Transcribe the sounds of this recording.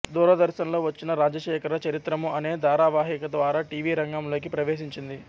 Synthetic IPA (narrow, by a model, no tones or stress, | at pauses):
d̪uːɾɐd̪ɐɾʃɐmlo̞ːʋɐt͡ʃːinɐɾaːd͡ʒɐʃɛːkɐɾɐt͡ʃɐɾit̪ɾɐmuɐne̞ːd̪aːɾaːʋaːɦikɐd̪ʋaːɾaʈiːʋiːɾɐŋɡɐmlo̞ːkipɾɐʋeːʃiɲt͡ʃind̪i